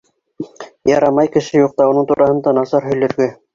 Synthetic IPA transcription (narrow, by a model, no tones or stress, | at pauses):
jɑɾɑmɑjkɘ̆ʃɘjuq̚t̪ɑunɤɴt̪uɾɑhɤ̆nd̪ɑnɑsɑɾɦɵ̆jlɵ̆ɾɡɘ